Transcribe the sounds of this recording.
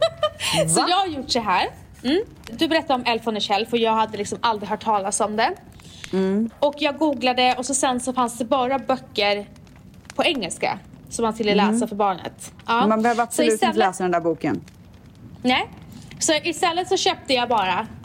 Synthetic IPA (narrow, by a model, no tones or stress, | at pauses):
sɔjɑːɡhaɾjʊʈːdɛɦæːɾ | m̩ː | d̪ɵbɛɾɛt̪ːaɔmɛlfɔnɛʂɛlːfœjɑːɡhad̪ːəlɪksɔmʔald̪ɾɪɡɦœːʈʰːɑːlasɔmd̪ɛ | ɔkjɑːɡɡuːɡlad̪əɔsɔsɛnsɔfansd̪ɛbɑːɾabœkːəɾ | pʰɔɛŋːɛlska̰sɔmːant̪ɪlːɛlɛːsafœɾbɑːɳə̰t̪ʔɑːmanbɛhøːvəɾapsɔɪʉːt̪ɛləlɛːsad̪ɛnæːbuːkən | nɛɪsɔʔɪst̪ɛlːət̪sɔɕøːp̚t̪əjɑbɑːɾa